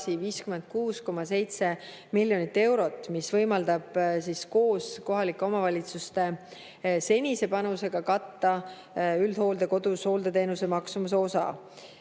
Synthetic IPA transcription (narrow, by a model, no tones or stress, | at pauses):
siviːskymend̪̥̚kuːsko̞mɑse̞jt̪se̞ | milʲːjo̞nit̪ːe̞wɾo̞t̪ːˑmisvɤ̞jmɑld̪ɑb̥sisko̞ːsko̞ɦɑlikːˑe̞o̞mɑvɑlʲit̪sust̪e̞ | se̞nʲise̞pɑnuse̞ɡ̥ɑkɑt̪ːɑ | yld̪̥ho̞ːld̪eko̞d̪̥usho̞ːld̪e̞t̪e̞ːnuse̞mɑksumus̬eo̞sɑ̰